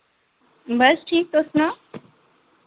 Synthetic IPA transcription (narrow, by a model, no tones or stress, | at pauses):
bɐsʈʰiːk̚t̪osna